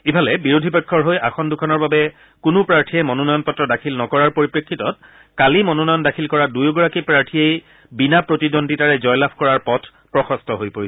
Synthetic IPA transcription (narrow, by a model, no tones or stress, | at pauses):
ibʱalɛbiɹodʱibɛkʰːɔɹɦojʔaxɔndukʰɔnɔɹbabɛ | kʊnʊpɹaɹtʰiɛmɔnɔnɔjɔnpɔtɹɔdakʰilnɔkɔɹaɹpoɹipɹekʰːitɔt̚ | kalimɔnɔnɔjɔndakʰilkɔɹadujɡɔɹakipɹaɹtʰiej | binapɹotidontitaɹɛzɔjlapʰkɔɹaɹpɔtʰ | pɹɔxɔstʰɔɦojpoɹisɛ